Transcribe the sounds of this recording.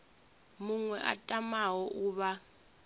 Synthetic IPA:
muŋwɛʔa̰tʼamawɔʔuːβa

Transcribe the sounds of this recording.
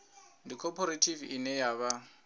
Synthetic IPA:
ndikʰɔpʰɔɾetʰivinɛjaβa

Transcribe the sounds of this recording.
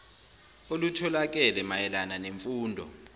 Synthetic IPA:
olutʰɔlak̬ʼɛlɛmajɛlananeɱfuːndʱɔ̰

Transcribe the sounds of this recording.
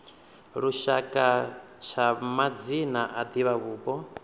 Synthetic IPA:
ɾuʃakʼa | t͡ʃʰamad͡zinaʔad̪iβaβuːbɔ

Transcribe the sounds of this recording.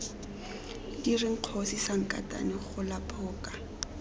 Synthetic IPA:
kirɪŋ̩q͡χʰosisaŋ̩kʼa̰tʼa̰nɪχʊlapʰʼɔːkʼḁ

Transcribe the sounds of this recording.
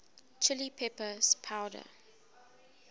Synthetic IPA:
t͡ʃʰɪlipʰɛpəspʰaʊdə̰

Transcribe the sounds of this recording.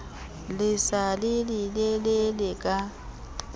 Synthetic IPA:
lɪsalɪlɪlelɪlɪkʼa

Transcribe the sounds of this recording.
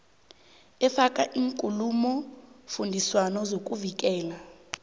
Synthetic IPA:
ɛfakʼaʔiːŋkʼulumɔfundʱiswanɔzokʼuvik̬ʼɛːla

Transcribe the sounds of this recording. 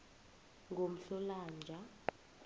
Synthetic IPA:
ŋɡʱom̩ɬɔlaːnd͡ʒʱa

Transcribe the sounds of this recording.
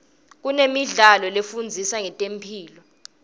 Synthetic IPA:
k̬unemiɮalɔlefund͡zʱisaŋɛtʼempʰiːlɔ

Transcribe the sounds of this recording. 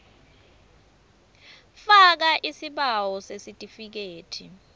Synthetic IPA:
fak̬aʔisiɓawɔsesitʼifik̬eːtʰi

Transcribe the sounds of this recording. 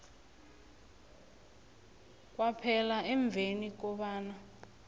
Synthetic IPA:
k̬ʼwapʰɛlaɛɱb̪vʱenik̬ɔɓaːna

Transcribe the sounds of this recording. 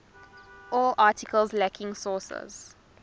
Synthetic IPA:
ɔlʔaːtʰɪkʰəlzlækʰɪ̃ŋsɔːsə̰z̥

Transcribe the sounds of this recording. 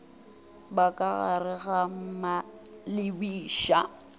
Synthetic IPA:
bakʼaɣarɪɣam̩ma | lɪbiːʃa

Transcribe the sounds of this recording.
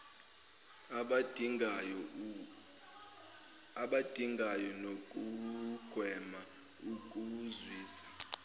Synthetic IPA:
aɓad̥ʱiŋɡʱajɔnokʼuɡ̥ʱwɛma | ukʼuzwiːsḁ

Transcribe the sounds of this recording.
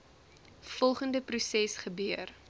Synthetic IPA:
fɔlˠχəndəprusɛsχəbøər

